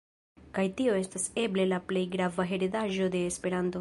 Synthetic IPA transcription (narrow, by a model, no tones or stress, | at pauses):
kajtio̞e̞stase̞ble̞laple̞jɡɾavaɦe̞ɾidaʒo̞de̞ːspe̞ɾanto̞